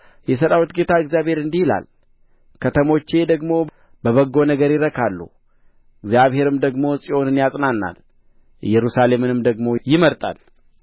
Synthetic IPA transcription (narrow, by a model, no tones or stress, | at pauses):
jɛs̬əɾawit̪ɡe̞t̪ʰaɨɡzjaβhe̞ɾɨnd̪ihila̰l | kʰət̪ʰəmo̞t͡ʃːe̞d̪əɡmo̞ | bəβəɡːo̞nəɡəɾjɪɾəkʰalːṵ | ɨɡzjaβhe̞ɾɨmd̪əɡmo̞sʼio̞nɨnjasʼnanːa̰l | jɛɾusale̞mɨnɨmd̪əɡmo̞jɪməɾt̪ʼa̰l